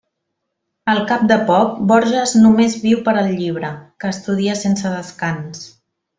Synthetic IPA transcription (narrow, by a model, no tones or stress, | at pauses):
əlˠkap̚d̪əpɔk̚bɔɾʒəznumezβiwpəɾəlˠʎiβ̞ɾəkəːst̪uð̞iəsensəðəskans